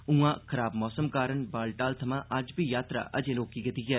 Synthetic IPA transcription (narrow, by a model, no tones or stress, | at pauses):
ũːãːkʰəɾaːbmɔːsəmkaːɾəɳbaːlʈaːlt̪ʰəmãːʔɐd͡ʒbiːjaːt̪ɾa̰ːʔəd͡ʒẽːloːkiːɡət̪iːɡɛː